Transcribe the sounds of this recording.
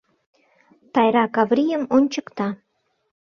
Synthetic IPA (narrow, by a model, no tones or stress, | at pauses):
t̪ɑjɾɑkɑvrijəmonʲt͡ɕəkt̪ɑ